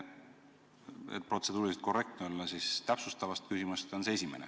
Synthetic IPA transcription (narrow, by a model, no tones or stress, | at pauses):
ḛt̪̚pro̞t̪se̞d̪uːɾist̪̚ko̞re̞k̚t̪neolːɑsist̪æpsust̪ɑvɑst̪̚kysimust̪o̞nseesʲimenḛ